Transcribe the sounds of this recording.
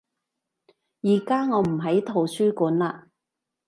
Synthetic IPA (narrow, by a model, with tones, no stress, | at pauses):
jiː˨˩kaː˥ŋɔː˨˧m̩˨˩ɦɐ˨˥jt̪ʰo˨˩wsyː˥kuː˨˥nlaː˧